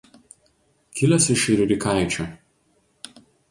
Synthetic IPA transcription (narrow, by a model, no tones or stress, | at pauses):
kʲɪlʲɛsɪʃɪɾʲʊɾʲɪkaˑɪt͡ʃʲoː